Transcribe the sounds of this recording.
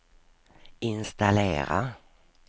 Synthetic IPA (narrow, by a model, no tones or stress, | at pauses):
ɪnst̪aleːɾa̰